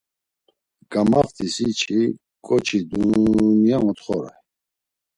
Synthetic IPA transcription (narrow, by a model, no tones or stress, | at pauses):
ɡ̥amaft̪ʰisit͡ʃʰi | kʼɔt͡ʃʰid̪uniaŋɔt̪χɔɾa̰